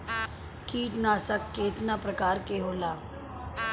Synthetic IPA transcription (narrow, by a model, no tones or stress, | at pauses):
kiːʈnaːsəkːeːt̪napɾɐkaːɾkeɦoːlaː